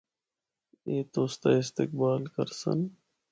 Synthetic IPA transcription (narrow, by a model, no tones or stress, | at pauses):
eːt̪oːst̪aɪst̪ɪk̚baːlkɐ̰ɾsɐ̰n